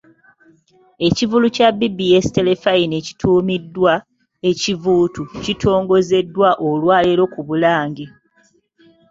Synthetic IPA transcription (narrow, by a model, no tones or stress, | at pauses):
e̞civulucabːibːijestele̞faineci̥tʰuːmidːwa | e̞civuːtucitʰo̞ːŋɡo̞ze̞dːwaʔolwaːleɾo̞kuβulaːɲɡe